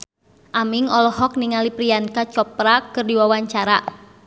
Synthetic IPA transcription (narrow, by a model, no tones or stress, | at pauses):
ʔamiŋɔlɔɦɔk̚niŋalipɾiankat͡ʃɔpɾakɨrdiwawaɲt͡ʃaɾa